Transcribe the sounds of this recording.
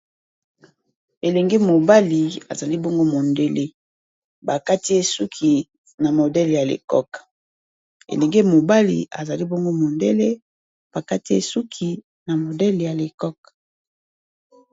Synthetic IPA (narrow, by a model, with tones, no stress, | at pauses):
e˨lɛ˨ŋɡe˦mo˨ba˦li˨a̰˨za˨li˦bo˦ŋɡo˦mo˨nde˦le˦ | ba˨ka˦ti˦e˦su˦kʰi˨ | na˨mo˨dɛ˦lja˨lḛ˨kɔ̰˦k | ḛ˨lɛ˨ŋɡe˦mo˨ba˦lḭ˨a̰˨za˨li˦bo˦ŋɡo˦mo˨nde˦le˦ | b̥a˨ka˦ti˦e˨su˦kʰi˨ | na˨mo˨dɛ˦lja˨le˨kɔ˦k̚